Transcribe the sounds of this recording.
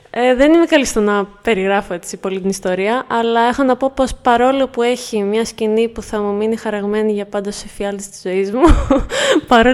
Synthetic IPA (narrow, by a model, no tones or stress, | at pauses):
eðe̞nimekɐlist̪o̞nɐpe̞ɾiɣɾɐfo̞e̞t͡sipo̞lit̪inist̪o̞ɾiɐʔɐlɐe̞xo̞nɐpo̞po̞spɐɾo̞lopue̞çimɲɐscinipuθɐmuminixɐɾɐɣme̞niʝɐpɐnd̪o̞sefiɐlt̪ist̪i̥z̥o̞izmu | pɐɾo̞